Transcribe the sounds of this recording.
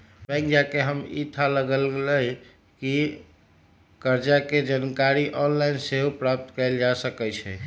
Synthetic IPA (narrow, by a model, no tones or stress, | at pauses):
bɛ̃ɪ̃kd͡ʒakeɦəmḭt̪ʰaləɡəlləj | ki | kəɾd͡ʒaked͡ʒankaɾiʔɔnlaɪnseɦupɾap̚t̪kəɪld͡ʒasəkɛt͡ʃʰɛ̰